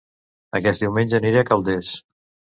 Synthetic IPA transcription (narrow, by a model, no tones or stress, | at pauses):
əkɛs̚d̪iwmenʲʒəniɾiəkəlˠd̪es